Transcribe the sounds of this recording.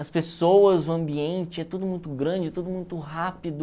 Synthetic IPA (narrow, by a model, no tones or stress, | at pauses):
ɐspesowɐzʊɐ̃mbiẽnt͡ʃɪɛt̪ud̪ʊmũj̃t̪ʊɡɾɐ̃d͡ʒɪɛt̪od̪ʊmũj̃t̪ʊɦapid̪ʊ